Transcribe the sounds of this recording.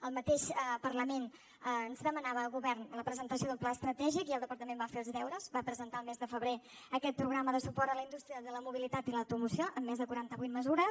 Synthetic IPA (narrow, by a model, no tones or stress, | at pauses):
əlˠmət̪eʃəpərləmen | ənzðəmənaβəːlˠɣuβɛrnələpɾəzənt̪əsioðəlˠplaəst̪ɾət̪ɛʒikiəlˠd̪əpəɾt̪əmembafeəlˠzðɛwɾəzbapɾəzənt̪aəlˠmezðəfəβɾe | əkɛt̪̚pɾuɣɾaməðəsupɔɾt̪ələind̪ust̪ɾiəðələmuβ̞ilit̪at̪iləwt̪umusioʔəmːezðəkuɾant̪əβujt̪̚məzuɾəs